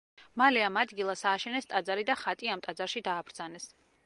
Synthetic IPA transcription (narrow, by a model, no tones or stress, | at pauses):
malɛamad̪ɡilˠasaːʃɛnɛst̪ʼad̪zaɾid̪aχat̪ʼiamt̪ʼad̪zaɾʃid̪aːbɾd̪zanɛs